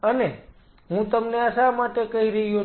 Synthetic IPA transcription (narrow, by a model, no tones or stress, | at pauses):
əne | ɦũt̪əmneəʃamaʈekəɦiɾəɦijo